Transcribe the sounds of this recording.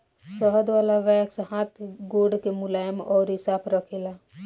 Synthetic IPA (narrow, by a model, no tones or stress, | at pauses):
səɦəd̪ʋaːlaʋɛksɦãt̪ʰɡoːɖkemʊlaːjəmɔːɾɦɪsaːbɾəkʰela